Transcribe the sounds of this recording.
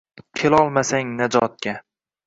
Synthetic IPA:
kʲʰelɒlˠmasaŋnad͡ʒɒt̪̚kʲa

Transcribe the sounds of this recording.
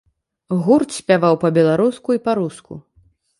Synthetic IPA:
ɣurt̪sʲpʲavawpɐbʲɛlˠaɾuskuipaɾuskṵ

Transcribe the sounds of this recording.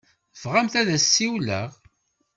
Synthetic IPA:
fʁamθæðæsːiwlæ̰ʁ

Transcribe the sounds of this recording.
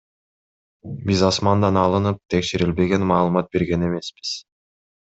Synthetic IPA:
bizɑsmɑnd̪ɑnɑlˠɯnɯp̚t̪ʰe̞kʃeɾilbe̞ɡe̞nmɑːlˠɯmɑt̪̚be̞ɾɡe̞ne̞me̞sbi̥z̥

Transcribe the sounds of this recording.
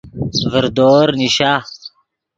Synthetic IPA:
vəɾd̪oːɾniɕa

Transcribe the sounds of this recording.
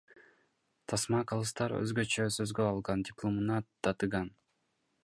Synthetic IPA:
t̪ʰɑsmɑkolˠɯst̪ɑɾø̰zɡøt͡ʃøsøzɡøɑlˠʁɑndʲɪplˠomɯnɑt̪ɑt̪ɯɡɑn

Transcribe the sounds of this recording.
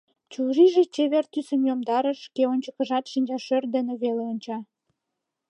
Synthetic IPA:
t͡ɕuʒiʒet͡ɕeβert̪ysəmjomd̪ɑɾəʃkeonʲt͡ɕəkə̆ʒɑt̪ʃinʲd͡ʑɑʃørd̪eneβeleonʲt͡ɕɑ

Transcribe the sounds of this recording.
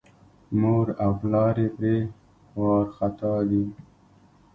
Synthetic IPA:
moɾaflɑːɾepɾeː | wɑːɾxat̪ɑːd̪i

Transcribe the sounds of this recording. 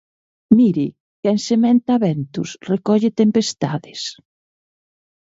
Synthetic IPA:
miɾɪ | kensemẽnt̪aβɛnt̪ʊsrekɔʎɪt̪empest̪aðɪs

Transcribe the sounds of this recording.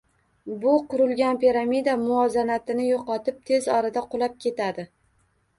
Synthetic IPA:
bʊqʊɾʊlɡʲanpiɾamid̪amʊɒzanat̪ɪnɪjoqɒt̪ʰɪp̚t̪ʰe̞zɒɾad̪aqʰolˠap̚kʲʰe̞t̪ad̪ɪ

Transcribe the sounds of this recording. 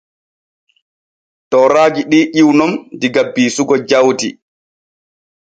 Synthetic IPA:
tɔɾaːd͡ʒiɗiːʔiwnɔmdiɡabːiːsuɡɔd͡ʒawti

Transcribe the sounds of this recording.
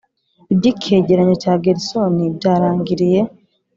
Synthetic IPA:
ebɟikʰːeɟeɾaɲotaːɡeɾisonidaːɾaːŋɟiɾije

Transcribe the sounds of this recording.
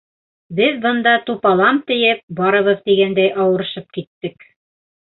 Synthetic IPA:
bɘðbɤ̆nd̪ɑt̪upɑlˠɑmt̪ɘ̆jɘp̚bɑɾɤ̆βɤðt̪iɡænd̪æjʔɑwɤ̆ɾɤ̆ʃɤp̚kit̪ːɘk

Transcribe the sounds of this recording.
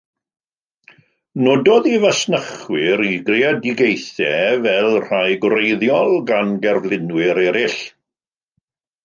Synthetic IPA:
noːdɔðivasnəχwɪɾiɡrɪadɪɡejθɛvɛlˠr̥ajɡwɾejðjɔlˠɡanɡɛrvlˠɪnwɪɾɛɾɪɬ

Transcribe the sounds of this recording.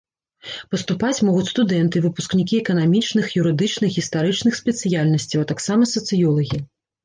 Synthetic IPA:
pɐst̪upat͡sʲmɔɣut͡sʲst̪ud̪ɛnt̪ɨvɨpusknʲikʲiɛkɐnamʲit͡ʂnɨxjuɾɨd̪ɨt͡ʂnɨxɣʲist̪aɾɨt͡ʂnɨxsʲpʲɛt̪sɨjalʲnɐsʲt͡sʲiwɐt̪aksamɐsɐt̪sɨjɔlˠɐɣʲi

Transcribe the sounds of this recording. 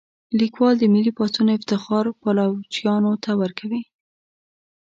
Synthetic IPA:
likwɑld̪əmɪlipɑsunɪft̪ɪxɑɾpalawt͡ʃjɑnot̪awəɾkʰawi

